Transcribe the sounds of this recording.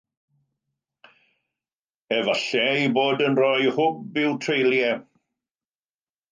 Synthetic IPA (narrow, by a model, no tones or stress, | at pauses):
ɛvaɬɛiboːdənrɔjhʊb̚bɪwtʰrejljɛ